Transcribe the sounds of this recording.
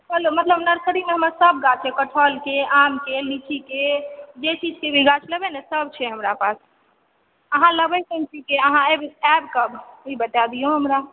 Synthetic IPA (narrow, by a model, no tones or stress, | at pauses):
ɦəlomət̪ləbnəɾsəɽimeɦəməsəbɡat͡ʃʰekəʈʰɔlkeamkelit͡ʃiked͡ʒet͡ʃid͡ʒkebiɡat͡ʃʰləbenesəbt͡ʃʰɛɦəmɾapas | əɦãləbəsənt͡ʃʰikeəɦãebisɛbkəbibət̪ad̪ijoɦəmɾa